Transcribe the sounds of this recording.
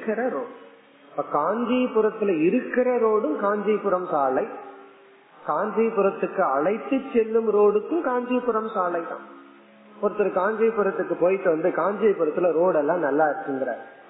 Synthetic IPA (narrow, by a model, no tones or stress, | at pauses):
kːɪɾɐɾoː | pːɐːkaːɲd͡ʒɐjpʊɾɐt̪ːɪlɐɪɾɯkːɪɾɐɾoːɽɯmkaːɲd͡ʒɐɪpʊɾɐmsaːlɐɪ | kaːɲd͡ʒɐɪpːʊɾɐt̪ːɯkːɯɐɭɐɪt̪ːɯt͡ʃːɛlːɯmɾoːɽɯkːɯmkaːɲd͡ʒɐpʊɾɐmsaːlɐɪt̪ːã̰ː | pɔɾɐt̪ːɯlɐkaːɲd͡ʒɐɪpʊɾɐt̪ːɯkːɯpoːjʈːɯʋɐnd̪ɯkaːɲd͡ʒɐjpʊɾɐt̪ːɯlɐɾoːɽɛlːãːnɐlːaɐɾɯkːɯŋɡɪɾa̰ːɾ